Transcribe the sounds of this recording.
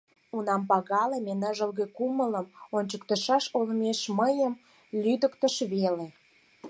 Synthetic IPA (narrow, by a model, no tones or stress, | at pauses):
unɑmpɑɣɑlemenəʒəlɣekumələmonʲt͡ɕək̚t̪əʃɑʃolmeʃməjəm | lʲyd̪əkt̪əʃβele